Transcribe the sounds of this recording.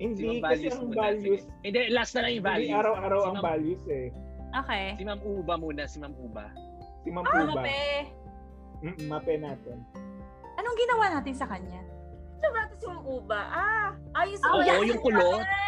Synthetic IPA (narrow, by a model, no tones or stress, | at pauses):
hɪnd̪iakɐlsjɛɐŋbaljʊs | ʔɛnd̪ɛlasnɐlɐŋjʊvaljʊaːɾɐwʔaːɾɐwɐŋbaːljʊsɛʔoːkɛjsɪmɐmʔuːbɐmuːnɐsɪmɐmʔuːbɐ̰ | sɪmɐmːɐbɐpɛ | m̩ːʔm̩mɐpɛnaːt̪ɛn | ʔɐnoŋɡɪnɐwanaːt̪ɪnsɐkɐɲa | sɐbak̪ɐsimɐmʔuːbɐʔaʔaːjosɐʔoojʊŋkʊlo